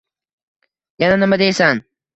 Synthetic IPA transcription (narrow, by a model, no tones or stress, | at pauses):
jananɪmad̪ejsan